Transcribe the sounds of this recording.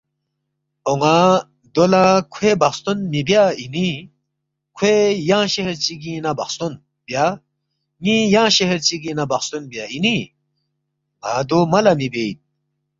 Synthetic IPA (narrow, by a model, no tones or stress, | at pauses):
oŋa | d̪olakʰwebɐkst̪unmibjaini | kʰwejãːɕeheɾt͡ɕiɡĩnabɐχst̪un | bja | ŋĩjãːɕeɦeɾt͡ɕiɡĩnabɐxst̪unbjaini | a̰d̪umɐlamibejt̪̚